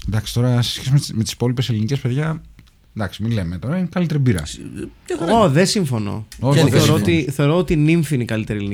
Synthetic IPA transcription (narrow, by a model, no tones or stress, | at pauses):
nd̪ɐksi̥t̪o̞ɾɐse̥sçes̬imemet̪i̥si̥po̞lipe̞selinice̞speðʝɐ | d̪ɐksiminle̞met̪o̞ɾɐinekɐlit̪e̞ɾibiɾɐ̰oɐoðesiɱfo̞no̰oθeoɾoot̪iθe̞oɾoot̪iniɱfiinikɐlit̪e̞ɾielini